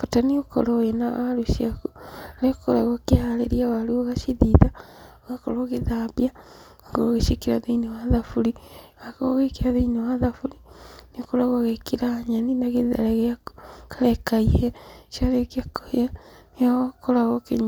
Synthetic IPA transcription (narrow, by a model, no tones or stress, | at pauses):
fotaniokɔ̰ɾɔenawaɾuʃiakuɾekoɾaɣɔkehalḛɾiawaɾuoɣaʃiðiða | ɣakɔɾɔɣeðabja | ŋɡoɾoɣeʃekiɾaðeinewaðafuɾiwakoɣekiɾaðeinewaðafuɾiniokoɾaɣoɣekiɾaɲaninaɣeða̰ɾaɣeakkaɾɛkaihɛʃaɾekakoanikoɾaɣɔkeɲ